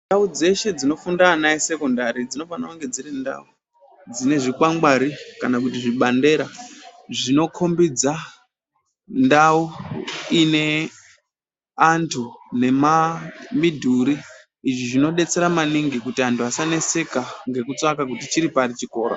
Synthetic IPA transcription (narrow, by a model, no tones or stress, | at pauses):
ndaud͡ze̞ʃe̞d͡zino̞fundaːnaise̞ko̞ndaɾid͡zino̞fanauŋɡe̞d͡ziɾenda̰u | d͡zine̞ʐikwaŋɡaɾikanakutiʐiɓande̞ɾaʐino̞kʰo̞mbid͡za | ndauine̞ | ntʰune̞mamidʱuɾiː | d͡ʒiʐino̞ɗe̞t͡se̞ɾamaniŋɡikutiantʰuasanese̞kaŋɡe̞kut͡sakak̬utit͡ʃiɾipaɾit͡ʃiko̞ːɾo